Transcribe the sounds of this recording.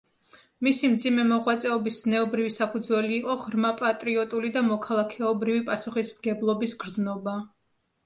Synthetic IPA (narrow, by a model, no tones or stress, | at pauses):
misimd̪zimɛmɔʁwat̪sʼɛɔbisznɛɔbɾivisapʰud̪zwɛliːqʼɔʁɾmapʼat̪ʼɾiɔt̪ʼulid̪amɔkʰalˠakʰɛɔbɾivipʼasuχismɡ̥ɛblˠɔbisɡɾd̪znɔba